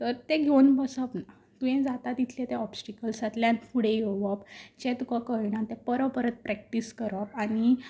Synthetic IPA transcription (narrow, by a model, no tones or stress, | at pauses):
t̪əɾt̪eɡʱewnbəsəpna | t̪ujɛ̃d͡zat̪at̪it̪ʰlɛ̃t̪ɛ̃ɔbsʈikəlsət̪ljanfuɽejoʋəpt͡ɕɛ̃t̪ukakəɾɳãt̪ɛpəɾəpəɾət̪̚pɾɛk̚ʈiskəɾaɾañi